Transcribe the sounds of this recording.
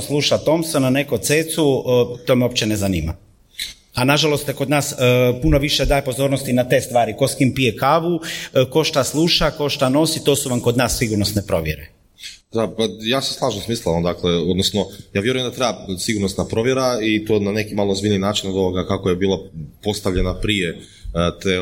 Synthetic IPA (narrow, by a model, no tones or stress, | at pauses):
slˠuʃat̪o̞msonane̞kot̪seːt̪sut̪omeo̞pt͡ɕenezaniːma̰ | anaʒalo̞st̪ko̞d̪naːspuno̞ʋiʃed̪aːjepo̞zo̞ɾnost̪inat̪e̞ːst̪ʋaːɾiko̞skimpijekaʋuko̞ʃt̪aslˠuʃako̞ʃt̪ano̞sit̪osuʋamkod̪naːsːiɡuɾnosnepɾo̞ʋjeɾe | d̪apajaːsaslˠaːʒnosmiːslˠaamd̪akleod̪nosnojaːʋje̞ɾujemd̪at̪ɾebasiɡuɾnosnapɾo̞ʋjeɾait̪oːnanekimaːlˠozbilninaːt͡ʃinod̪oʋoɡakakojebiːlˠapo̞st̪aʋʎe̞napɾije | t̪eː